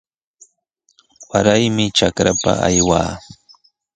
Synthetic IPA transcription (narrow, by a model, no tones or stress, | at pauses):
waɾajmɪt͡ʃakɾapa̰ajwaː